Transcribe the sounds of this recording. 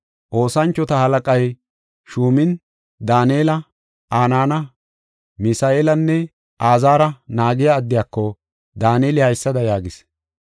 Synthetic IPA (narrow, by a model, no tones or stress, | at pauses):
ʔo̞ːsɐnt͡ʃːɔt̪ɐhɐlɐkʼɐj | ʃuːmɪn | d̪aːneːlɐ | ʔaːnaːnɐ | mɪsaːeːlɐnːɛ | ʔaːzaːɾɐnaːɡɪjaːd̪ːɪjaːkːɔ | d̪aːneːlɪhɐjsːɐd̪ɐjaːɡɪs